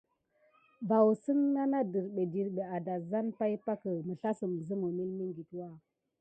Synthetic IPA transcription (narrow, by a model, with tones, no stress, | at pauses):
ba˨wsə˦ŋna˦na˦də˨ɾɗe˨di˨ɾɗə˨a˨da˨za˦npa˦jpa˦kə˨mə˨ɬa˦sə˨mzə˦mu˨mi˦lmi˦ŋɡi˨twa˦˨